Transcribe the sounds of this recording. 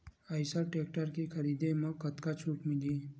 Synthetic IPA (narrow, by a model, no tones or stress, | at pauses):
əjsaʈek̚ʈəɾkikʰəɾid̪eməkːət̪kat͡ʃʰuːkmiliː